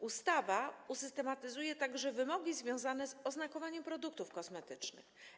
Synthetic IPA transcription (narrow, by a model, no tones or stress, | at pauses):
ust̪avausɘst̪ɛmat̪ɘzujɛt̪aɡʐɛvɘmɔɡʲizvʲjɔ̃w̃zanɛzɔznakɔvaɲɛmpɾɔd̪uk̚t̪ufkɔsmɛt̪ɘt͡ʂnɘ̰x